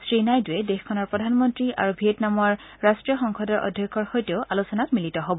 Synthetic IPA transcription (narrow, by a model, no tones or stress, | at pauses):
sɹinajduɛdexkʰɔnɔɹpɹɔdʱanmɔntɹiʔa̰ɹubʱietnamɔɹ | ɹastɹijɔxɔŋxʰɔdɔɹʔɔ̰dʱjɔkʰːɔɹxojteʊʔalusɔnatmilitɔɦobɔ